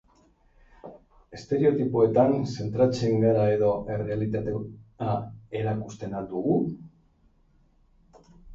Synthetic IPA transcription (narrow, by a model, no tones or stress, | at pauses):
e̞st̪e̞ɾe̞o̞t̪ipue̞t̪anse̞nt̪ɾat͡se̞ŋɡaɾae̞ðo̞ʔe̞re̞alit̪at̪eae̞ɾakust̪e̞nad̪uɣu